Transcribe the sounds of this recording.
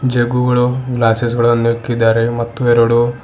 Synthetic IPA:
d͡ʒeɡuɡɐɭuɡlaːses̬ɡɐɭonikːid̪ːaːɾemɐt̪ːueɾɐɽu

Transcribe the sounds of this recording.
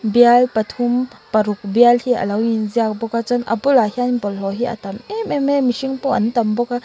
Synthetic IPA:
bialpat̪ʰumpaɾuk̚bialhiʔɐ̰lawinziak̚bɔkat͡sanʔɐ̰bulahianpɔlɦɔɦiʔa̰t̪ɐmɛmɛmɛmisiŋpɔʔɐ̰nt̪ɐmbɔka

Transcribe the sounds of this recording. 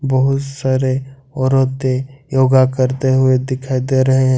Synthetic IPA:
bɐɦʊt̪saːɾe | ɔːɾot̪ːejoːɡakɐɾt̪eɦʊed̪ɪkʰaːid̪eɾɐɦeɦɛ̃

